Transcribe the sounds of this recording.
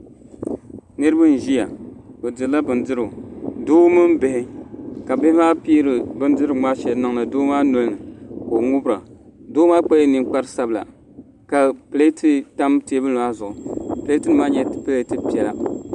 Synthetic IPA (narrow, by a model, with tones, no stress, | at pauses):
nɨ˦ɾɨ˦bɨ˦n˨ʒi˦a˨o˨dɨ˨˦la˦bɨ˨ndɨ˦ɾɨ˨doː˦mɨ˦m˦be˨hɪ˦ka˨bɪ˦hɪ˦maː˦pi˦ɾɨ˨bɨ˦n˦dɨ˦ɾɨ˨ŋ͡ma˦ʃɛ˨lnɨ˦ŋ˦nɨ˨doː˦maː˦no˦lnɨ˨ko˨ŋʊ˦bɾa˨doː˦maː˦k͡pa˦jnɨ˨ŋk͡pa˦ɾɨ˦sa˦bɨ˨la̰˨ | ka˨ple˦ti˦ta˦mti˦e˦bɨ˦no˨a˦zʊ˨ʔʊ˨ple˦ti˦nɨ˨maː˦ɲɛ˦tple˦tɨ˦pi˨ɛ˨la̰˨